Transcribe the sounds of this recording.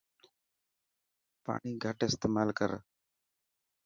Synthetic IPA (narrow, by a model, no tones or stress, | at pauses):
pa̰ːɳiːɡʱəʈɪst̪eːmaːlkəɾ